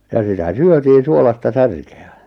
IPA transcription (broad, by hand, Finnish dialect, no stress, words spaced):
jɑ sitæ syøtiːn̞ suolɑstɑ særkeæ